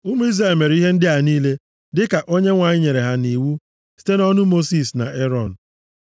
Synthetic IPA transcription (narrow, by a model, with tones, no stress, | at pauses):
ʊ˦mu˦i˦zɾe˨me˨ɾi˦ɦe˦n̩˦dɪ˦a˨niː˦le˦ | dɪ˦ka˨ʔo˦ɲe˦ŋʷa˨ɲɪ˦ɲe˨ɾe˨ɦa˦ni˨wu˦ | si̥˦te˦nɔ˦nʊ˦mo˦si˦˨sna̰˨ʔe˦ɾɔ˦˨n̩˨